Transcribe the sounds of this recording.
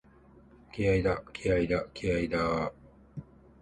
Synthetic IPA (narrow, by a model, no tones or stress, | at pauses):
kiaid̪akiaid̪akiaid̪aː